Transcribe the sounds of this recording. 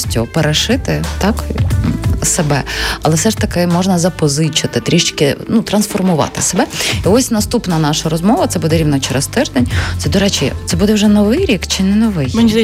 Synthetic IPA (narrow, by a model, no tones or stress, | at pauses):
sʲtʲʊpeɾɐʂɪt̪ɪt̪ɑk | sebɛɐlˠɛfsɛʂt̪ɐkɪmɔʒnɐzɐpɔzɪt͡ʃɪt̪ɪt̪ɾʲiʃt͡ʃkɪnut̪ɾɐnsfɔrmʊʋɑ̰t̪ɪ̥sebɛiɔsʲnɐst̪upnɐnɑʃɐɾɔzmɔʋɐt̪sɛbud̪ɛɾʲiwnɐt͡ʃeɾɛst̪ɪrd̪ɛnʲt̪sɛd̪ɔɾɛt͡ʃʲḭt̪sɛbud̪ɛwʒɛnɔʋɪjɾʲikt͡ʃɪnɛnɔʋɪjmnʲ